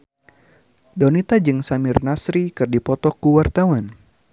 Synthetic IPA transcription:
dɔnit̪ad͡ʒɨŋsamɪrnasɾikɨrdipɔt̪ɔkuwart̪awan

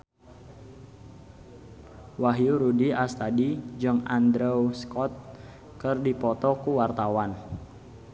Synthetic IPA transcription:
waɦjuɾudiast̪adid͡ʒɔŋand̪ɾɛuskɔt̪̚ | kərdipɔt̪ɔkuwart̪awan

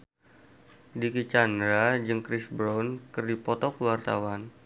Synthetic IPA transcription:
dikit͡ʃandɾad͡ʒɨŋkɾɪsbɾɔnkɨrdipɔt̪ɔkəwart̪awan

